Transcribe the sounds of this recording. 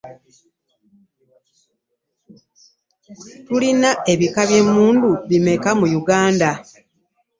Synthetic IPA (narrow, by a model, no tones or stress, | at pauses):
tulinae̞βikaβje̞muːnduβime̞kamujuɡaːnda